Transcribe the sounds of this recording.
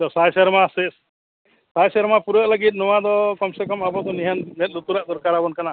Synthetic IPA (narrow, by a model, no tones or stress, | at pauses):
d̪ɔsajsɛɾmasɛs | sajsɛɾmapuɾəʔləɡit̪̬̚nɔwad̪ɔkɔmsɛkɔmabɔd̪ɔniɦannɛt̪̚ˀlut̪uɾaʔd̪ɔɾkaɾabɔnkana